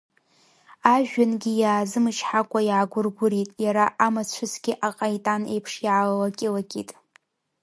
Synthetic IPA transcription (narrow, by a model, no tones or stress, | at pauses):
aʒᶣanɡʲɪjaːzɨmɨt͡ʃʰħakʷʼajaɡʷʊrɡʷʊɾitʼjaɾaʔamat͡ɕʷʰʊzɡ̥ʲɪʔaqʼajtʼanejpʰʂjʕalwakʲʼɪlakʲʼitʼ